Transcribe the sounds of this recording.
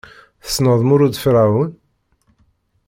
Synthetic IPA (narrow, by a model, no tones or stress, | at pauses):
θə̥snəðˤmuɾud̪fɾawun